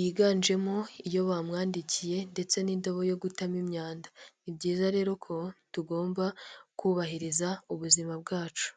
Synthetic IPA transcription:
jiɡaːnd͡ʒe̞moijo̞βamŋaːndicije̞nde̞t͡se̞nindoβo̞jo̞ɡutamimɲaːndaibɟiːzaɾe̞ːɾo̞kʰo̞tuɡo̞ːmbakuːβahiɾizauβuzimab̚ɡaːt͡ʃu̥

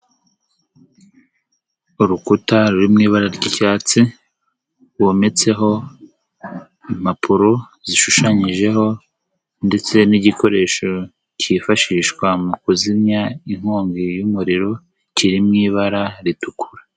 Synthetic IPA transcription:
uɾukutaɾuɾimŋiːβaɾaɾɟicaːt͡si | wome̞t͡se̞ɦo̞ | im̥apʰuɾo̞ | ziʃuʃaɲiʒe̞ɦo̞ | nde̞t͡se̞niɟikʰo̞ɾe̞ːʃo̞ | cifaʃiʃkwamukuzimɲaiŋ̥hoːŋɡijumuɾiɾo̞ | ciɾimŋiːβaɾaɾitukʰuɾa

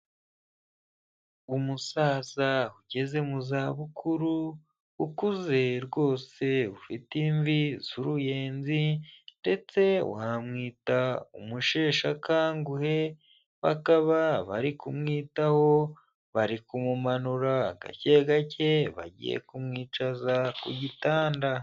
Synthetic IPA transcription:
umusaːzahuɟe̞ze̞muzaβukʰuɾu | ukuze̞ɾɡwo̞ːse̞ufitiɱviz̥uɾuje̞ːnzinde̞t͡se̞w̰hamŋiːtaṵmuʃe̞ːʃakaːŋɡuhe̞ | βa̰kaβaβaɾikumŋiːtaho̞ | βaɾikumumanuɾaɡa̰ceɡacʰe̞βa̰ɟḭjḛkumŋiːt͡ʃazakṵɟitaːnda

